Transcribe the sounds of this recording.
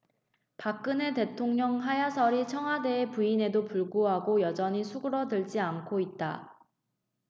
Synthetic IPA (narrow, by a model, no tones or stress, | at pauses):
pak͈ɯne̞te̞tʰoŋɲʌŋɦajasʰʌɾit͡ɕʰʌŋɦwade̞ːpuine̞dopuɭɡuɦaɡojʌd͡ʑʌɲisʰuɡɯɾʌdɯɭd͡ʑiankʰoit̚t͈a̰